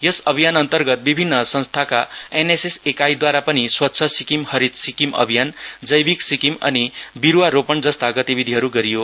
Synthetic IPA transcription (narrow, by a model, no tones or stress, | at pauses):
jʌsʌbʱijanʌnt̪ʌrɡʌt̪̚bibʱinːʌsʌ̃nst̪ʰakaenesesekajd̪waɾapʌniswʌt̪ːsʰʌsikimhʌɾit̪sikimʌ̰bʱijand͡zʌjbiksikimʌ̰nibiɾuwaɾopʌɳd͡zʌst̪ʰaɡʌt̪ibid̪ʱiɦʌɾuɡʌɾijo